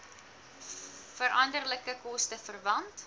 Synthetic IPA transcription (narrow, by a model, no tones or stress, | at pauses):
fəɾʔɐndərləkəkɔstəfərvɐnt